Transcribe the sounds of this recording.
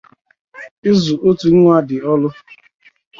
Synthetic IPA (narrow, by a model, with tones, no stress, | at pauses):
ɪ˦zu˨ʔo˦tu˨ŋ̩˦ŋʷa˦dɪ˨ɔ˦lʊ˦